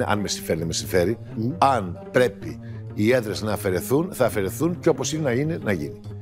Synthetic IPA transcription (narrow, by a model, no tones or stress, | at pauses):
eʔɐ̰nme̞siɱfe̞ɾiðeme̞siɱfe̞ɾi | ɐnpɾe̞pi | ie̞ðɾe̞znɐːfe̞ɾe̞θunθɐːfe̞ɾe̞θunceo̞po̞sinenɐinenɐʝḭni